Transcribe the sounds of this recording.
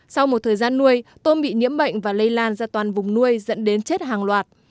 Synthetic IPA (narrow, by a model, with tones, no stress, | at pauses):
sa˧wmo˨˩t̚t̪ʰəː˨˩jzaː˧nːu˧əjt̪o˧nɓḭ˧˨ɲḭ˧˥əmɓə̰˧˨jŋ̟vaː˨˩lə˧jlaː˧nzaː˧t̪waː˨˩nvʊ˨˩ŋ͡mnu˧əjzə̰˧˥nɗe˨˦nt͡ɕe˦˥t̚ɦaː˨˩ŋlwaː˨˩t̚